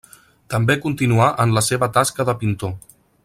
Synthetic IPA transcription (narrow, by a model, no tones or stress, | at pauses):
t̪əmbekunt̪inuaʔənləseβət̪askəðəpint̪o